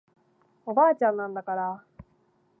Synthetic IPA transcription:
o̞baːt͡ɕãnːãnd̪akaɾa

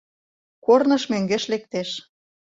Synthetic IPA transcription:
kornɤ̆ʃmøŋɡeʃlek̚t̪eʃ

